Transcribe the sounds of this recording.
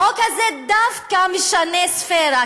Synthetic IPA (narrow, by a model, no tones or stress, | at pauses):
okazɛd̪afkamiʃanesfeɾa